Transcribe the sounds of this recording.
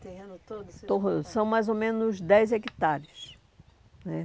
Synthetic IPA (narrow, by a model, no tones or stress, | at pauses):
ot̪osɐ̃w̃majzomẽnʊzd̪ɛjzekit̪aɾjʊs | nɛ